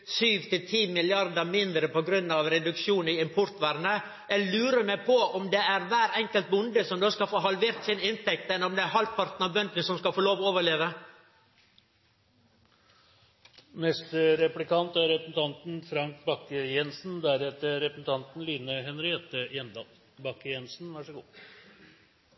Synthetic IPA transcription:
syːʋt̪ʰɪlt̪ʰiːmɪlɪɑɾd̪əmɪnd̪ɾəpɔɡɾʉnːɑʋɾɛd̪ʉkʃuːnɪɪmpʰʊɾt̪ʋæɾnə | ɛlʉːɾəmɛpʰɔʔɔmd̪ɛæɾʋæːɾɛŋkəlt̪̚bʊnd̪əsɔmd̪oːskɑfoːɦɑlʋeːɾt̪sɪnɪnt̪ʰɛk̚t̪ɛnɔmd̪ɛæɾɦɑlt̪pʰɑɾt̪n̩ɑʋbœnd̪nəsɔmskɑfoːloːʋɔoːʋəɭeːʋə | mɛst̪ɾɛplɪkɑnt̪æɾɾɛpɾəsn̩t̪ʰɑnt̪n̩fɾɑŋk̚bɑkːəjɛnsn̩d̪æɾɛt̪əɾɛpɾsn̩t̪ʰɑnt̪n̩liːnəɦɛnɾɪɛt̪ːəjɛnd̪ɑːl | bɑkːəjɛnsn̩ʋæʂəɡṵː

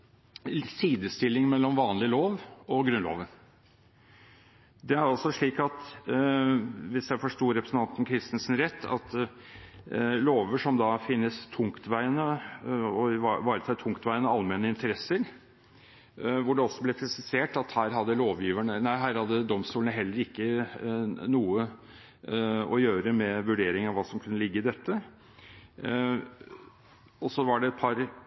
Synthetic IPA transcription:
siːd̪əst̪ɪlːɪŋmɛlːɔmʋɑːnlɪloːʋɔɡɾʉnlo̰ːʋə | d̪ɛæɾɑlsɔʂɭiːkɑt̪ | ʋɪsjæɪfɔʂt̪uːɾɛpɾəsn̩t̪ɑnt̪ɔmkʰɾɪst̪ənsən̩ɾɛt̪ʰːɑ̰t̪ | loːʋəʂɔmd̪ɑfɪnːəst̪ʰʊŋkt̪ʋæɪənə | ɔɪʋɑːɾət̪ʰɑɪt̪ʰʊŋkt̪ʋæɪənəɑlmeːnəɪnt̪ʰəɾɛsːəɾ | ʋʊɖɛɔsːɔblɛpʰɾɪsɪseːʈɑt̪hæːɾɦɑd̪ːəloːʋjiːʋæɳənæɪɦæːɾhɑd̪ːəd̪ɔmst̪uːlənəɦɛlːəɾɪkːə | nuːə | ɔjøːɾəmɛʋʉɖeːɾɪŋɑʋʋɑːsɔmkʰʉnːəlɪɡːəɪd̪ɛt̪ːə | ɔsɔʋɑɖɛɛt̪̚pʰɑɾ

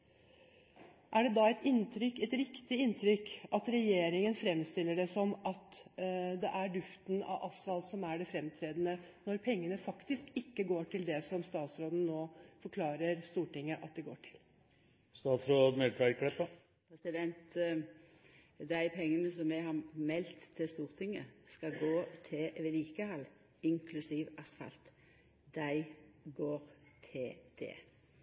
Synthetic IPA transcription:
ʔæɖɛd̪ɑɛt̪ɪnt̪ʰɾʏkːɛt̪ɾɪkt̪ɪɪnt̪ʰɾʏkʔɑt̪ɾɛjeːɾɪŋənfɾɛmst̪ɪlːəɖɛsɔmʔɑt̪d̪ɛʔæɖ̪ʉft̪nɑ̰ʋʔɑsʋɑlt̪sɔmæɖɛfɾɛmt̪ʰɾeːd̪ənənɔɾpʰɛŋːənəfɑkt̪ɪskɪkːəɡoːʈʰɪld̪ɛsɔmst̪ɑːt̪sɾoːd̪n̩noːfɔɾkʰlɑːɾəɾst̪uːʈɪŋːəʔɑt̪̚d̪ɛɡo̰ːʈʰɪ̥l | st̪ɑːt̪fɾɔmɛlt̪ʰʋækʰɽɛpːə | pʰɾɛsɪd̪ɛnt̪ | d̪æɪpʰɛŋːənəsɔmmɛhɑmɛlt̪ʰːɪst̪uːʁt̪ʰɪŋːəskɑɡoːt̪ʰɪʋɪliːkəhɑl | ɪŋkʰlʉsiːʋɑsfɑ̰lt̪ | d̪æɪɡoːɾt̪ʰɪd̪̥ɛ̰ː

